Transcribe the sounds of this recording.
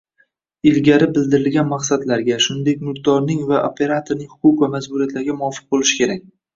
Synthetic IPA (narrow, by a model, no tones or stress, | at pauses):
ɪlɡʲaɾɪbɪld̪ɪɾɪlɡʲanmaqsad̪laɾɡʲaʃʊnɪnd̪e̞kʲmʊɾd̪ɒɾnɪŋvaʔopʰe̞ɾat̪ʰoɾnɪŋhʊ̥qʰʊqvamazbʊɾijat̪laɾɡʲamʊɒfɨ̥q̚bolɪʃɪ̥kʲʰe̞ɾak̚ʲ